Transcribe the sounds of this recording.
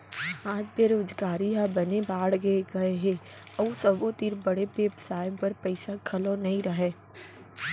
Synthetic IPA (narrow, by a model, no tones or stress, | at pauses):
aːd͡ʒbeːɾoːd͡ʒɡaːɾiɦabɐnebaːɽɡeɡɐeɦe | ɔusɐbot̪iɾbɐɽepeːpsaːɪbpɐɾpɛɪsakʰɐlõnɐɦĩɾɐɦeː